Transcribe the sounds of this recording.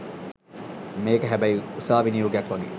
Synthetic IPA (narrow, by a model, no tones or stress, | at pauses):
meːkɐɦæbæiusaːʋiniɾuɡeɐkʋɐɡḛː